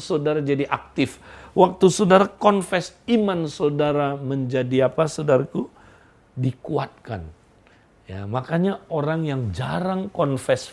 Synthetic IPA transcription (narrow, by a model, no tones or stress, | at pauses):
sodaɾad͡ʒadiʔak̚t̪ɪfwak̚t̪usodaɾakɔnfɛsimansodaɾaməɲd͡ʒadiapasodaɾaku | dikuat̪̚ka̰n | ja̰makaɲaoɾaŋjaŋd͡ʒaɾaŋkɔnfɛs